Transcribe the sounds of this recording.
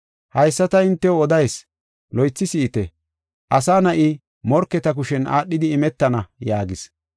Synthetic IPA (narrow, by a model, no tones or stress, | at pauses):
hɐjsːɐt̪ɐɪnt̪ːɛwɔd̪ɐjs | lɔjt͡sːɪsɪːt̪ɛ | ʔɐsaːnɐʔɪ | mɔɾkːɛt̪ɐk̬ʊʃɛna̰ːɗːɪd̪ɪːmɛt̪ːɐnɐjaːɡɪs